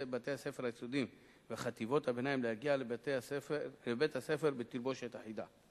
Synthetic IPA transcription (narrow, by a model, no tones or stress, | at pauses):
bat̪ehase̞feɾhajsod̪im | veaχat̪ivo̞t̪habe̞najimlehaɡiaflebet̪hase̞feɾbet̪iɾbo̞ʃet̪aħid̪a